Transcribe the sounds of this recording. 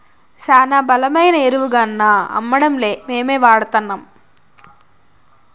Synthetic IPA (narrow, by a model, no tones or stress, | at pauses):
saːnaːbɐlɐmɐjnɐeɾuʋuɡɐnːaːɐ̰mːɐɽɐmle̞ːmeːmeːʋaːɽɐt̪ɐnːaːm